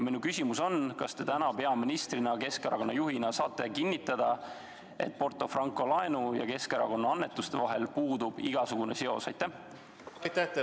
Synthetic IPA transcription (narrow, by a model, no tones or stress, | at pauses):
minukysʲimuso̞nkɑst̪e̞t̪ænɑpe̞ɑminist̪rinɑke̞skɑɾɑ̰ko̞nːɑjuɦinɑsɑːt̪ːˑe̞kinʲːit̪ːˑɑd̪̥ɑ | e̞̰t̪̚ːˑpo̞rt̪ˑo̞frɑŋkːˑo̞lɑenujɑ̰ke̞skɑɾɑko̞nːɑɑnːe̞t̪ːˑust̪e̞vɑɦe̞lpuːd̪ub̥iɡ̥ɑsuɡ̥une̞se̞o̞̰sɑjt̪ːˑæh | jt̪ːæt̪